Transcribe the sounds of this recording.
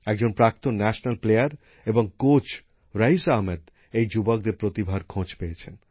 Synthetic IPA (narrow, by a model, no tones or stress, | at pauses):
ɛk̚d͡ʑonpɾak̚t̪onːɛʃnalplejaɾ | eboŋkot͡ɕ | ɾaɦisaɦmed̪ | ejd͡ʑubok̚d̪eɾpɾot̪ibʱaɾkʰõt͡ɕpeet͡ɕʰen